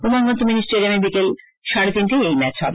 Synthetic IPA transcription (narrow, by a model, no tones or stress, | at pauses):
umaŋɡont̪ominisʈɾiɾemebikel | ʃaɽed̪inʈiejmɛt͡ɕʰɦɔ̰be